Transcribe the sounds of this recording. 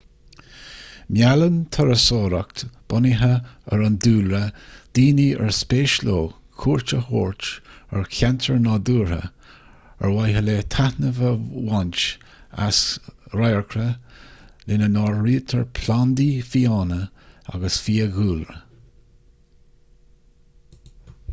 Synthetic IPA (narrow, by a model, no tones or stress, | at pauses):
mjalənt̪ʰəɾəsoːɾakt̪b̥ɔniɦəəɾənduːlɾəd̪̥iːniə̰ɹspeːʃloː | kʰuːɹt͡ʃəho̰ːɹt͡ʃəɹkʰantʰəɹnɑːd̪uːɹə̰ | ə̰ɹwajɦəleːt̪ʰahnəvəwant͡ʃ | a̰sɾajɹkʰɾə | lɪnənɑːɹɹiːt̪ʰəɹpʰland̪ifiːɑːnəa̰ɡəsfiːəɣuːlə